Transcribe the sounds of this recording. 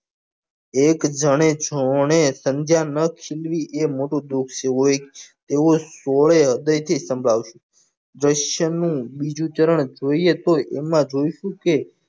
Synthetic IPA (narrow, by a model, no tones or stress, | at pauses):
ekd͡ʒəɽ̃ed͡ʒoɳ̃esənd͡ʒ̪ʱjanəkʰilʋiʔemoʈõd̪ukʰt͡ʃʰeɦoet̪eosoɭeɦəd̪əjt̪ʰisəmbʱɭaʋʃũ | d̪ɾəʃjənũbid͡ʒũt͡ʃ̪əɾəɳd͡ʒoiet̪oʔemãd͡ʒoiʃũke